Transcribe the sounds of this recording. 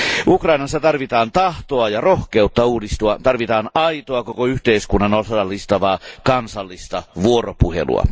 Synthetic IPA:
ʔukrɑinɑsːɑt̪ɑrʋit̪ɑːnt̪ɑht̪oɑjɑrohkeut̪ːɑuːdist̪uɑt̪ɑrʋit̪ɑːnɑit̪oɑkokoyht̪eiskunːɑnolsosɑlːist̪ɑʋɑːkɑnsɑlːist̪ɑʋuoropuhḛlṵɑ̰

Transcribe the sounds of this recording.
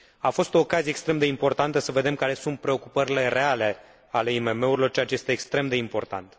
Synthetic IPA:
afo̞st̪o̞ːkazijekst̪ɾe̞md̪e̞impo̞rt̪ant̪əsəve̞d̪e̞mkaɾe̞sunt̪̚pɾe̞o̞kupəɾile̞re̞ale̞ | ale̞ime̞me̞uɾilo̞rt͡ʃeat͡ʃejest̪eːkst̪ɾe̞md̪e̞impo̞rt̪a̰nt̪

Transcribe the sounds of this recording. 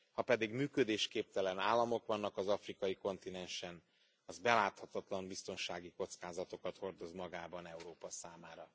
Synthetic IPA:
hɒpɛd̪iɡmyːkød̪eːʃkeːp̚t̪ɛlɛnaːlːɒmo̞kʋɒnːɒkɒzɒfrikɒjiko̞nt̪inɛnʃɛn | ɒzbɛlaːt̪hɒt̪ɒt̪lɒmbist̪o̞nʃaːɡiko̞t̪skaːzɒt̪o̞kɒt̪ho̞rd̪o̞zmɒɡaːbɒnɛuɾoːpɒsaːmaːɾɒ

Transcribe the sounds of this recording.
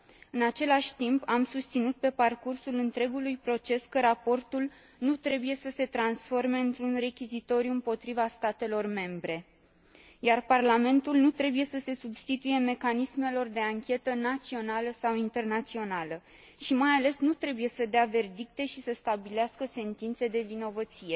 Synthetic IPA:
ɨnat͡ʃe̞laʃʲt̪impamsust̪sinut̪̚pe̞parkursulɨnt̪ɾe̞ɡulujpɾo̞t͡ʃe̞skəɾapo̞rt̪ul | nut̪ɾe̞buje̞səse̞t̪ɾansfo̞rme̞ɨnt̪ɾunre̞kʲizit̪o̞ɾjuɨmpo̞t̪ɾivast̪at̪e̞lo̞rme̞mbɾe̞ | jarparlame̞nt̪ulnut̪ɾe̞buje̞səse̞subst̪it̪uje̞me̞kanisme̞lo̞rd̪eaŋkʲe̞t̪ənat̪sio̞naləsawint̪e̞rnat̪sio̞nalə | ʃimajale̞snut̪ɾe̞buje̞səd̪eave̞rd̪ik̚t̪e̞ʃisəst̪abileaskəse̞nt̪int̪se̞d̪e̞vino̞vət̪sije̞

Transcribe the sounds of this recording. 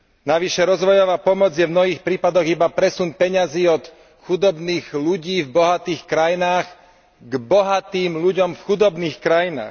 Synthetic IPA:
naʋiʃɛɾɔzʋɔjɔʋaːpɔmɔd͡zjɛvmnɔɦiːxpɾiːpad̪ɔɣibapɾɛsunpɛɲaziːɔt̪ | xud̪ɔbniːɣluɟiːvbɔɦat̪iːxkɾajinaːɣ | ɡbɔɦat̪iːmʎuɟɔmfxud̪ɔbniːxkɾajina̰ːx

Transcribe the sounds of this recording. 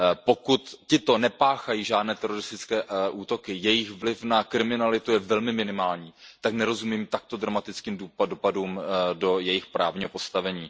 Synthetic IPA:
po̞kut̪cɪt̪o̞nɛpaːxajiːʒaːdnɛːt̪ɛɾo̞ɾɪst̪ɪt͡skɛːʔuːt̪o̞kɪjɛjɪxvlɪfnakɾɪmɪnalɪt̪ujɛvɛlmɪmɪnɪmaːlɲiːt̪aknɛɾo̞zumiːmt̪ak̚t̪od̪ɾamat̪ɪt͡skiːmduːadopaduːmdo̞jɛjɪxpɾʔaːvɲiːɦo̞po̞st̪avɛɲiː

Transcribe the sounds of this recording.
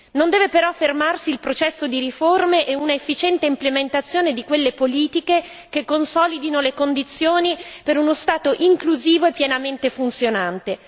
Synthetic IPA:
nond̪ɛːvepeɾɔfːermarsiːlpɾot͡ʃɛsːod̪iɾiformeʔɛunaefːit͡ʃɛnt̪eimtplement̪at̪sːjoːned̪ikwelːepoliːt̪ike | kekːonsɔlid̪inolekond̪it̪sːjoːnipeɾunost̪aːt̪oʔiŋkluziːvoepːjɛnament̪efunt̪sjonant̪e

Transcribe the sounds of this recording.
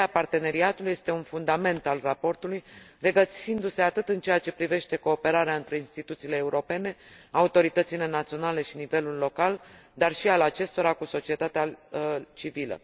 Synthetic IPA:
apart̪e̞ne̞ɾiat̪uluje̞st̪e̞unfund̪ame̞nt̪alrapo̞rt̪ulujre̞ɡət̪sind̪use̞at̪ɨt̪ɨnt͡ʃe̞jat͡ʃe̞pɾive̞ʃt̪e̞ko̞ːpe̞ɾaɾeaɨnt̪ɾe̞inst̪it̪ut̪siːle̞ːuɾo̞pe̞ne̞aut̪o̞ɾit̪ət̪sile̞nat̪sio̞nale̞ʃinive̞lulːo̞kald̪arʃialat͡ʃe̞st̪o̞ɾakuso̞t͡ʃie̞t̪at̪eat͡ʃivilə̰

